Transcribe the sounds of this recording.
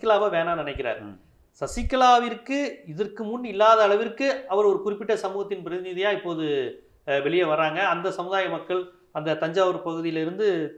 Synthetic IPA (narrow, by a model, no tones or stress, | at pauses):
kːɐlaːʋɐʋeːnaːnɪnɐɪk̬ːɪra̰ːɾ | sɐsɪkːɐlaːʋɪɾkːɯɪðɐrkɯmʊnɪlːaːðɐːɭɐʋɪrkːɯɐʋɐɾɔɾɯkʊrɪpːɪʈːɐsɐmuːɣɐt̪ːɪnpɪɾɐðɪnɪðɪjaːɪpːoːðɯ | ʋɛɭɪjɐʋɐrːaːŋɡɐːnd̪ɐsɐmɯðaːjɐmɐkːɐɭ | ɐnd̪ɐt̪ɐɲd͡ʒaːʋɐɾpɐɣɯðɪjɪlɪɾɯnd̪ɯ